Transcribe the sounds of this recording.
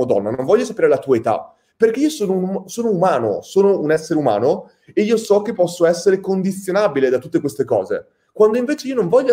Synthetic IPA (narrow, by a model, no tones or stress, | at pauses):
od̪ɔ̰nːanoɱvɔʎːosapeːɾelat̪uaet̪a̰ | perk̟eiːosoːnounusoːnoumaːno̰soːnounɛsːeɾeuma̰ːno | eiːosɔk̟epːɔsːoɛsːeɾekond̪it̪sːjonaːbiled̪at̪ut̪ːekwest̪ekɔːzḛ | kwand̪oĩɱveːt͡ʃeiːonoɱvɔʎːo